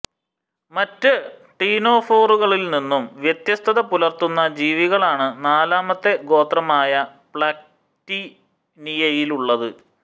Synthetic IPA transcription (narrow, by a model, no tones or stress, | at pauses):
mɐtːɨʈiːno̞ːfo̞ːruɣɐɭilninːumʋjet̪jɐst̪ʰɐðɐpulɐrt̪unːɐd͡ʑiːʋiɣɐɭaːɳɨnaːlaːmɐt̪ːe̞ɡo̞ːt̪rɐmaːjɐpɭaːk̚ | ti | nijɐjiluɭːɐðɨ